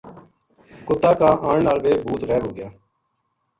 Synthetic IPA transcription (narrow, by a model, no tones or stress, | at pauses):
kʊt̪aːkãːʔaːɳnaːlʋeːbʱuːt̪ɣɛːɾɦoːɡɪjaː